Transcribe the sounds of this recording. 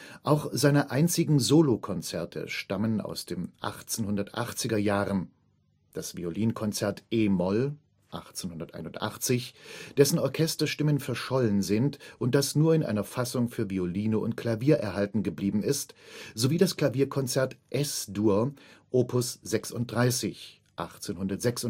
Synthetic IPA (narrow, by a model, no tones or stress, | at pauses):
ʔaʊxz̥aɪnɐʔaɪnt͡sɪɡŋ̩zoːlokʰɔnt͡sɛɐtʰə̰ʃtaməna̰ʊsd̥eːmʔa̰χt͡senhʊndɐtʔa̰χt͡sɪɡɐjaːʁən | d̥asv̥ḭoliːnkʰɔnt͡sɛɐtʔeːmɔl | ʔa̰χt͡senhʊndɐtʔa̰ɪnʊntʔa̰χt͡sɪçd̥ɛsn̩ɔɐkʰɛstɐʃtɪmənfɛɐʃɔlənzɪntʔʊnt̚d̥asnuːɐɪnʔa̰ɪnɐfasʊŋfyːɐvioliːnəʔʊ̰nt̚kʰl̥aviːɐʔɛɐɦaltn̩ɡəbliːbm̩ɪstz̥oviːdaskl̥aviːɐkʰɔnt͡sɛɐtʔɛsduːɐʔoːpʰʊsz̥ɛksʊnt̚d̥ʁaɪsɪç | ʔa̰χt͡seːnɦʊndɐtz̥ɛksʊ